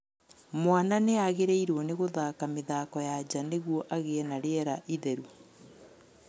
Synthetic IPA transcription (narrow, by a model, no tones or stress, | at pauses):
mwananeaɣeɾɛiɾwoneɣoðaːkameðakɔjad͡ʒaneɣwɔʔaɣeɛnaɾeɛɾaʔiðɛɾu